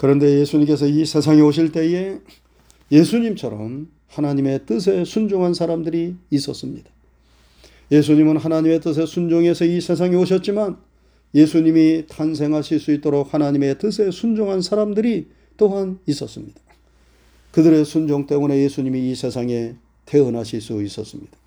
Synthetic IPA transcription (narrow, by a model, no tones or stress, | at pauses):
kɯɾʌnde̞je̞sʰuɲimk͈e̞s̬ʰʌisʰe̞sʰaŋioɕ̬ʰiɭt͈e̞je̞ | je̞sʰuɲimt͡ɕʰʌɾʌ̰m | hanaɲime̞t͈ɯs̬ʰe̞sʰund͡ʑoŋɦansʰaɾamdɯɾiːs͈ʌs͈ɯmɲid̥ḁ | je̞s̬ʰuɲimɯnɦanaɲime̞t͈ɯs̬ʰe̞sʰund͡ʑoŋe̞sʰʌisʰe̞s̬ʰaŋioɕʰʌt̚t͡ɕ͈iman | je̞sʰuɲimitʰans̬ʰe̞ŋɦaɕʰiɭs͈uit̚t͈oɾok̚hanaɲime̞t͈ɯs̬ʰe̞sʰund͡ʑoŋɦansʰaɾamdɯɾi | t͈oɦanis͈ʌs͈ɯmɲid̥ḁ | kɯdɯɾe̞sʰund͡ʑoŋt͈e̞mune̞je̞sʰuɲimiːsʰe̞sʰaŋe̞ | tʰe̞ɯnɦaɕʰiɭs͈uis͈ʌs͈ɯmɲid̥ḁ